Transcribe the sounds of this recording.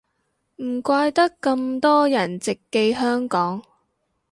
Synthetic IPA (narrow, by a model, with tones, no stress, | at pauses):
m̩˨˩kʷaː˧jt̪ɐ˥kːɐ˧mt̪ɔː˥jɐ˨˩nt͡sɪ˨kːe˧jɦœː˥ŋkɔː˨˥ŋ